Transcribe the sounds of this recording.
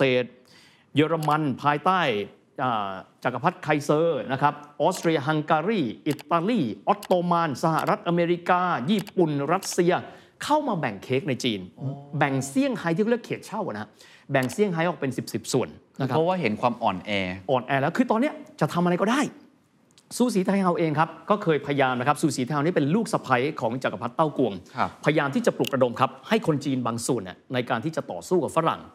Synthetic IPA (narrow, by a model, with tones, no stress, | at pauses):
seː˨˩t̪̚ | jɤː˧ɾma˧npʰaː˧jt̪aː˥˩j | ʔaː˨˩t͡ɕa˨˩kːa˧pʰa˦˥t̪̚kʰa˧jsɤː˧na˦˥kʰɾa˦˥p̚ʔɔː˦˥t̪ɾi˧ɐɦa˧ŋkaː˧ɾiː˥˩ʔi˨˩t̪ːaː˧liː˥˩ʔɔ˦˥t̪ːoː˧maː˧nsa˧ha̰˨˩ɾa˦˥t̪̚ʔa˧meː˧ɾi˦˥kaː˧jiː˥˩pu˨˩nɾa˦˥t̪̚si˧ɐ | kʰa˥˩wmaː˧bɛ˨˩ŋkʰeː˦˥k̚na˧jt͡ɕiː˧nbɛ˨˩ŋsi˥˩əŋha˦˥j̪ʰiː˥˩kːɾə˩kʰeː˨˩t̪̚t͡ɕʰa˥˩wʔa˨˩na˦˥ | bɛ˨˩ŋsi˥˩əŋɦa˦˥jʔɔː˨˩k̚pe˧nsi˨˩p̚si˨˩p̚su˨˩ən˦˧ | kʰɔ˥˦˥waː˥˩ɦe˩˦nkʰwaː˧mʔɔ̰ː˨˩nʔɛː˧ʔɔː˨˩nʔɛː˧lɛː˦˥wkʰɯː˧t̪ɔː˧nːi˦˥ɐt͡ɕa˨˩t̪ʰa˧ma˧a˧jkɔː˥˩daː˥˩j | suː˧˦s̬iː˩˦t̪ʰa˧jɦa˧wʔeː˧ŋkʰa˦˥p̚kɔː˥˩kʰɤː˧jpʰa˧ja˧jaː˧mna˦˥kʰa˦˥p̚suː˧˩siː˨˩˦t̪a˧a˧niː˦˥˩pe˧nluː˥˩k̚sa˧pʰa˦˥jkʰɔː˩˦ŋt͡ɕa˨˩ka˧˩pʰa˦˥t̪ːa˥˩wku˧əŋpʰa˧ja˧jaː˧mt̪ʰiː˥˩t͡ɕa˨˩plu˨˩ɾa˧do˧mkʰa˦˥p̚ha˥˩jkʰo˧nt͡ɕiː˧nbaː˧ŋsu˨˩ənʔa̰˨˩na˧jkaː˧nt̪ʰiː˥˩t͡ɕa˨˩t̪ɔ̰ː˨˩suː˥˩ka˨˩fa˦˥ɾa̰˨˩˦ŋ